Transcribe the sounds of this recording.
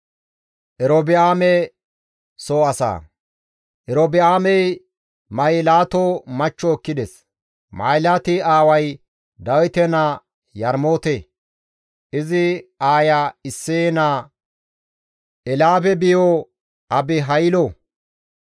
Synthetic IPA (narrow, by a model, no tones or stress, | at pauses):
ʔɛɾobɪaːmɛ | soːɐsa̰ː | ʔɛɾobɪaːmɛj | mɐjɪlaːt̪omɐt͡ʃːɔːkːɪd̪ɛs | ma̰ːjlat̪ɪaːwɐj | d̪ɐwɪt̪ɛna | jɐɾmoːt̪e | ʔɪzɪaːjaɪsːeːnaː | ʔɛlaːbɛbɪjo | ʔɐbɪɦɐjlo